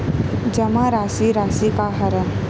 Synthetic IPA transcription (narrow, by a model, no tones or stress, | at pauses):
d͡ʒəmaɾasiɾasikaɦəɾə